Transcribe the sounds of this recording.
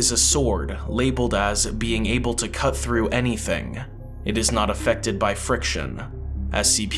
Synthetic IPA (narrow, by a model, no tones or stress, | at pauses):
ɨzɨsɔɹdleɪbl̩ˠdəzbiɪ̃ŋeɪbl̩ˠtʰɨkʰʌt̪̚θɹʉʔɛniθɪ̰̃ŋ | ʔɨɾɨznəɾəfɛk̚tɨd̚baɪfɹɪkʃɨ̰̃nʔɨz̥sipʰ